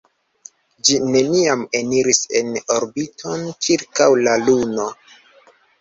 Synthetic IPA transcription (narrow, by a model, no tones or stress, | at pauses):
d͡ʒine̞niame̞niɾise̞̰no̞ɾbitʰo̞nt͡ʃiɾkawlaluno̞